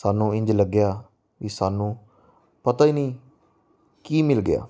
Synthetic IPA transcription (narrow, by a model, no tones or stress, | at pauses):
saːnũːɪ̃ɲd͡ʒləɡːɪjaː | ʋiːsaːnũː | pət̪aːiːnĩː | kiːmɪlɡɪa̰ː